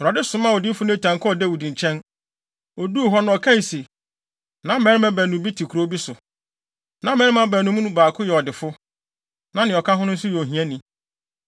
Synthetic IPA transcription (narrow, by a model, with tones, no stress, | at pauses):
ɾɔ˨dɪ˦sʊ̃˨˦mã˦ɔ˨di˦fʊ˦nʊ̃˦˨tʰã˨ŋkʰɔ˨dɛ˦˨wu˨dĩ˨ɲ˨t͡ɕʰɛ̃˦n | ɔ˨du˦˨ɦɔ˦ñ˨ɔ˨kʰã˦n˨se˨ | nã˦mɛ̃˨˦ɾɪ˦mɛ̃˦bæː˨nũ˨bi˦tʰi˨kʰu˨ɾo˦bi˦sʊ˨ | nã˨˦mɛ̃˦ɾmã˦bæ˨nũ˦m̃˦nũ˦baː˨kʰʊ˦jɛ˨ɔ˨dɪ˨fʊ˦ | nã˦nɪ̃˨ɔ˨kʰa˦ɦʊ˦nʊ̃˦n̩˦sʊ˦jɛ˨o˨ɦĩ˨ɛ̃˦nĩ˨˦